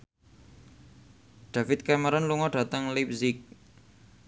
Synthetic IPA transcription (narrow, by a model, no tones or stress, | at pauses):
ɖ̪̥afɪt̪̚kaməɾɔnluŋɔɖ̥a̤t̪əŋlip̚zɪk̚